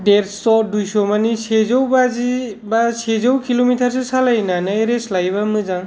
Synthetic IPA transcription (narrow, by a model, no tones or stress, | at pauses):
ɖeɾsɔdujsɔmanisezɔwbazibasezɔwkilomitʰaɾsesalajnanaɾeslajβamɯzaŋ